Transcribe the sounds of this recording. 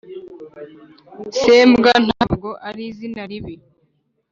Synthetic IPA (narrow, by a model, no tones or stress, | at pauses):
seːmbɡan̥hab̚ɡoʔaɾizinaɾiβi